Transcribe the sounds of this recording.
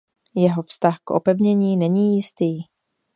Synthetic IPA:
jɛɦo̞fst̪axkʔo̰pɛvɲɛɲiːnɛɲiːjɪst̪iː

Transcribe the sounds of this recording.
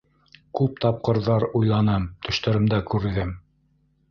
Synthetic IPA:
kʉp̚t̪ɑp̚qɤ̆ɾðɑɾujlˠɑnɤmt̪ʰɵ̆ʃt̪æ̆ɾɘ̆md̪ækʉɾɘ̆ðɘm

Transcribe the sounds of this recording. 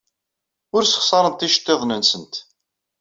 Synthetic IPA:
ʊɾsə̥χsɑɾˤənt̪iʃt̪ˤːeðˤnənsənt̪

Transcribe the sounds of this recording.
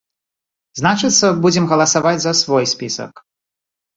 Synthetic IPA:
znat͡ʂɨt̪sːɐbud͡zʲɛmɣɐlˠɐsavad͡zʲzɐsvɔjsʲpʲisɐ̰k

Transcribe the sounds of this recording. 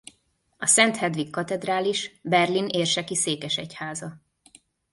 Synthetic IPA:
ɒsɛnt̪hɛd̪ʋikːɒt̪ɛd̪raːliʃbɛrlineːrʃɛkiseːkɛʃɛchaːzɒ

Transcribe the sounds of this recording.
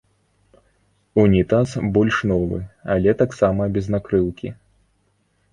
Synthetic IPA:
unʲit̪asbɔlʲʂnɔvɨ̰alʲɛt̪aksamɐbʲɛznakɾɨwkʲḭ

